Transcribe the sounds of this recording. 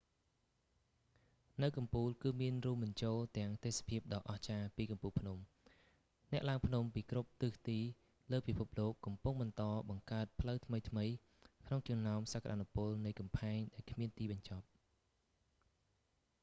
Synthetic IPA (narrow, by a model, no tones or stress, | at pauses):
nɨwkɑmpuːlkɨːmiənrŭəmɓɨɲt͡ɕoːlt̪ɛ̆əŋt̪eːsḁpʰiəp̚ɗɑːʔɑht͡ɕaːpiːkɑmpuːlpʰnum | nɛ̆əʔlaəŋpʰnumpiːkrup̚t̪ɨːht̪iː | ləːpipʰup̚loːkːɑmpuŋɓɑnt̪ɑːɓɑŋkaət̪̚pʰləwt̪ʰməjt̪ʰməj | kʰnoŋt͡ɕɑŋnaɔmsaːkʰːaɗaːnupʊəlnɨjkɑmpʰaɛŋɗaɛlkʰmiənt̪iːɓɑɲt͡ɕɑp̚